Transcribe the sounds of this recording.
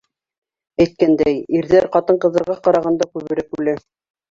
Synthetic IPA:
æjt̪̚kænd̪æjiɾðæɾqɑt̪ɤɴqɤ̆ðɤ̆ɾʁɑqɑɾɑʁɑnd̪ɑkʉβɘ̆ɾɘkʉlæ

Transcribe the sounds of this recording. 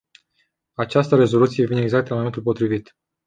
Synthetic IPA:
at͡ʃast̪əɾe̞zo̞lut̪sijevineɡzak̚t̪lanmo̞mt̪ulpo̞t̪ɾivit̪

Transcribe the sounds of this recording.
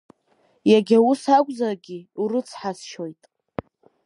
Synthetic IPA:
jaɡʲausakʷʼzarɡʲiurɨt͡sʰħasʃojtʼ

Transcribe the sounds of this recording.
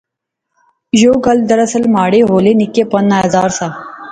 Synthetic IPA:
joːɡɐld̪ɐɾɐsəlmaːɽeːɦoːleːnɪkːepɐnːaːɐzaːɾsaː

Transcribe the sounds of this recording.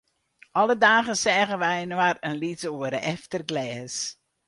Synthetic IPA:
ʔɔlədaːɣəsɛːɣənʋɛjnwarənlitəoəɾəʔɛftərɡlɛːs

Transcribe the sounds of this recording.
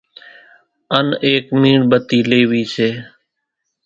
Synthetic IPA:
əneːkmiːɳbət̪iːleːʋiːseː

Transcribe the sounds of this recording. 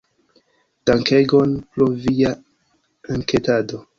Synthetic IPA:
d̥aŋkeɡonpɾovia | aŋketado̞

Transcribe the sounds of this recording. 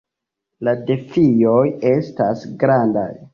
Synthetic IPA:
lade̞fijo̞je̞stasɡɾanda̰j

